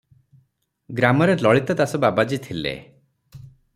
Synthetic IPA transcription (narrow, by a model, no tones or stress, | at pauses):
ɡɾamɔɾelɔɭit̪ɔt̪asɔbabad͡ʒit̪ʰilḛ